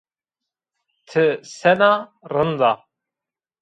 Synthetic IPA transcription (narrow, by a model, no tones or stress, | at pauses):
t̪ʰɨsɛnarɨnd̪ɑ